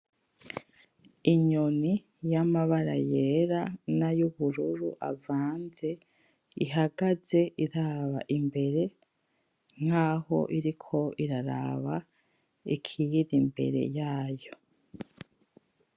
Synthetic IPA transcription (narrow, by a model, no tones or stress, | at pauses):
iɲoni | jamaβaɾa̰jeɾanajuβuɾuɾuʔa̰vaːnze̞ | iɦaɡaze̞ʔiɾaːβaʔimbe̞ɾe̞ | ŋ̥haːho̞̰ʔiɾikʰo̞iɾaɾa̰βa | ikʰijiɾimbe̞̰ɾe̞̰jaːjo̞